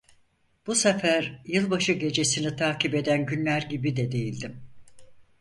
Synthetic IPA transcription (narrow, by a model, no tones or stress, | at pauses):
b̥usefæɾjɯlˠbaʃɯɟe̞d͡ʒe̞sinit̪ʰaːcipe̞d̪ænɟynlʲæɾɟibid̪ɛd̪e̞jilʲd̪im